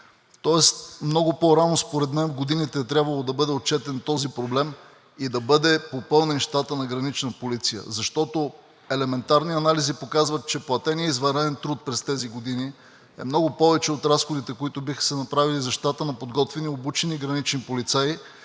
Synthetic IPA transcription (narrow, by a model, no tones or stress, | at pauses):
t̪ɔɛst̪mnɔɡʊpoɾanospoɾɛd̪mɛnvɡod̪init̪ɛːt̪ɾʲjabvɐlˠod̪ɐbɤd̪ɛot̪̚t͡ʃɛt̪ɛnt̪ɔzipɾoblɛm | id̪ɐbɤd̪ɛpopɤlˠnɛnʃt̪at̪ənɐɡɾɐnit͡ʃnɐpolit̪sijə̰zɐʃt̪ɔt̪o | ɛlɛmɛnt̪aɾniɐnalizipokazvət̪̚t͡ʃɛplˠɐt̪ɛniɛizvɐɾɛɛnt̪ɾut̪̚pɾɛst̪ɛziɡod̪ini | ɛ̰mnɔɡʊpɔvɛt͡ʃɛot̪ɾasxod̪it̪ɛkoit̪ʊbixə̥sɛnɐpɾavilizɐʃt̪at̪ənɐpod̪ɡɔt̪vɛniobut͡ʃɛniɡɾɐnit͡ʃnipolit̪sai